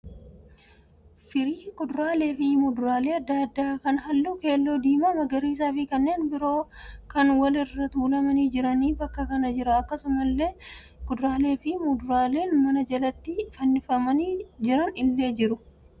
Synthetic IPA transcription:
fɪɾiːɡʊd̪ɾaːle̞ːfɪmʊd̪ʊɾaːle̞ːɐd̪ːɐɐd̪ːaːkɐnɦɐlːuːke̞ːlːo̞ːd̪iːmɐmɐɡɐɾiːs̬aːfɪkɐnːe̞ːnbɪɾo̞ːkɐnwɐlɪrːɐt̪uːlɐmɐniːd͡ʒɪɾɐniːbɐkːɐkɐnɐd͡ʒɪɾɐːkːɐsʊmɐlːe̞ː | ɡ̥ʊd̪ɾaːle̞ːfɪmʊd̪ʊɾaːle̞ːnmɐnɐd͡ʒɐlɐt̪ːɪfɐnːɪfɐmɐniːd͡ʒɪɾɐnɪlːe̞ːd͡ʒɪɾʊ

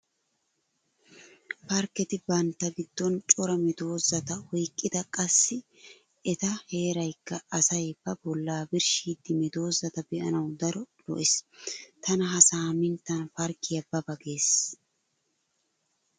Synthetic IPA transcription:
pɐɾkɛt̪ɪbɐnt̪ːɐɡɪd̪̥ːɔnt͡ʃʼɔɾɐmɪd̪o̞ːzɐt̪ɐwɔjkʼːɪd̪ɐkʼɐsːɪ | ɛt̪ɐhe̞ːɾɐjkːɐɐsɐjbːɐbɔlːaːbɪɾʃiːd̪ːɪmɛd̪o̞ːzɐt̪ɐbɛʔɐnɐwd̪ɐɾɔlɔ̰ʔɪst̪ɐnɐɦɐsaːmɪnt̪ɐnfɐɾkɪjɐbːɐbɐɡe̞ːs

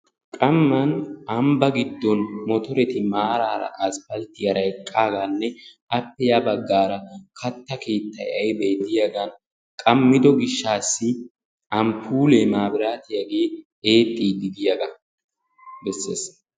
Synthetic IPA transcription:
kʼɐmːɐnɐmbɐɡɪd̪ːɔnmɔt̪ɔɾɛt̪ɪmaːɾaːɾɐ̰ʔɐspɐlt̪ːɪjɐɾɐjkʼːaːɡɐnːɛ | ɐpːɛjabɐɡːaːɾɐkʰɐt̪ːɐke̞ːt̪ːɐjɐjbɛjd̪ɪjɐɡɐn | kʼɐmːɪd̪ɔɡɪʃːaːsːɪ | ɐmpʰuːleːmaːbɪɾaːt̪ɪjɐɡe̞ː | eːt̪ʼːiːd̪ɪd̪ɪjɐɡɐ | bɛsːeːs

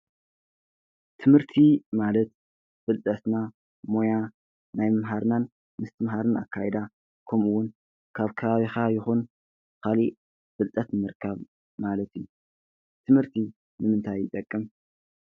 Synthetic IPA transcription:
t̪ʰɨmhɨɾt̪ʰimalɐt̪̚ | fɨlt̪ʼɐt̪na | mo̞ja | najmɨmɦaɾnan | mɨst̪ʰɨmɦaɾɨna̰kʰːajɛd̪a | kʰɐmuwːʊn | kʰaβkʰɐβaβixajɪxun | kali | fɨlt̪ʼɐt̪nɨmɨɾkʰaβ | malɐt̪iju | t̪ʰɨmhɨɾt̪ʰi | nɨmɨnt̪ʰajːɪt̪ʼɐkʼːɨm

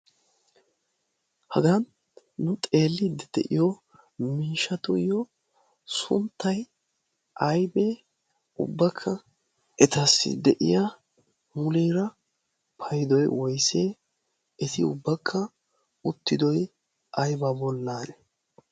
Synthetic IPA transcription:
hɐɡɐnː | ʊt̪ʼe̞ːlːɪd̪ɛd̪ɛʔɪ̰jɔ | miːʃɐt̪ʊjɔ | sʊ̰nt̪ːɐj | ʔɐjbe | ʊ̰bːɐkʰːɐ | ʔɛt̪ɐsːɪ̰d̪ɛʔɪ̰ja | mʊliːɾɐ | pʰɐjɪd̪ɔjwɔjseː | ɛt̪ɪʊ̰bːɐkʰːɐ | ʊt̪ːɪd̪ɔj | ʔɐjbɐbɔlːaːnɛ

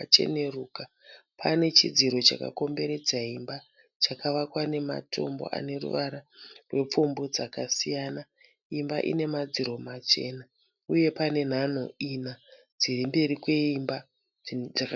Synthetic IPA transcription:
t͡ʃe̞̰neruːka | pane̞t͡ʃid͡ziɾo̞t͡ʃa̰ka̰ko̞mbe̞ɾe̞d͡zaɦimba | t͡ʃakaʋakwane̞ma̰tʰo̞̰mbo̞̰ʔa̰ne̞rṵʋaɾarwe̞p͡fumbo̞d͡zakasijana | imbaʔḭne̞mad͡ziɾo̞mat͡ʃe̞ːna | uje̞pane̞n̤an̤oina | d͡zirimbe̞ɾikwe̞imba | d͡za

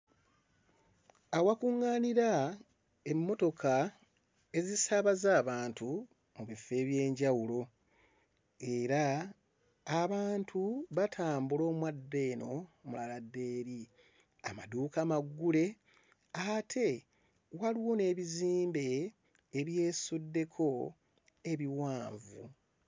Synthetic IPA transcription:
awakuŋːaːniɾa | e̞mːo̞to̞kʰa | e̞zisaβazaːβaːntu | muβifːe̞ːβje̞ːɲɟawulo̞ | e̞ɾaː | βaːntʰuβatʰaːmbulo̞ːmwadːe̞no̞mulaladːe̞ːɾi | amadukamaɡːule̞ | atʰe̞ | waliwo̞ne̞ːβiziːmbe̞ː | βje̞ːsudːe̞kʰo̞ | e̞βiwaːɱvṵ

